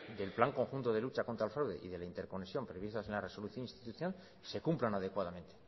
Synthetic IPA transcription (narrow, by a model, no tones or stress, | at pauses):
d̪e̞lplaŋko̞ŋxunt̪o̞ðe̞lut͡ʃako̞nt̪ɾalfɾawðe̞̰ʔḭðe̞laint̪eɾko̞nesjo̞mpɾeβist̪ase̞nlare̞so̞luθjo̞nĩnst̪it̪uθjonal | se̞kumplanað̞e̞kwaðamẽ̞nt̪e̞